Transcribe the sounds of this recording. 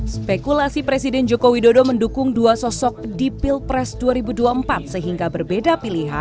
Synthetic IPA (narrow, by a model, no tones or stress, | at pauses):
spekulasipɾesidɛnd͡ʒokowidodoməndukʊŋduasɔsɔk̚dipilpɾɛsduaɾibuduaəmpat̪̚səɦiŋɡabərbedapiliɦa̰